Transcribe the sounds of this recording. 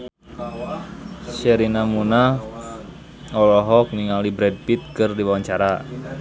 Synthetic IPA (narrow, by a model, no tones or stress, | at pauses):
sɛɾinamuna | ɔlɔɦɔk̚miŋalibɾɛd̚pit̪̚kɨrdiwawaɲt͡ʃaɾa